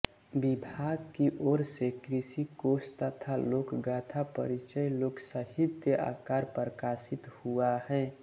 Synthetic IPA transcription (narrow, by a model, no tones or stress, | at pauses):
bɪbʱaːɡkiʔɔːɾsekɾisikoːst̪ət̪ʰaloːkɡaːt̪ʰapə̰ɾit͡ʃəjloːksəɦɪd̪jəa̰ːkaːɾpɾəkaːsɪt̪huahɛ̃ː